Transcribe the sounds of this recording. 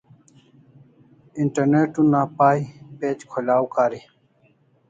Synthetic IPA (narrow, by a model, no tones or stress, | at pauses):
iɳʈəɾneːʈunːaːpaːipeːd͡ʑkʰolaːwkaːɾiː